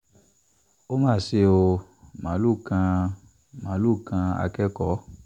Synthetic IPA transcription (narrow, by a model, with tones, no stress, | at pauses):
o˦mãː˦˨se˧o˧ | mã˨˦lu˦˨kã˧ | mã˨˦lu˦˨kã˧a̰˧kɛ˦kɔ˨˦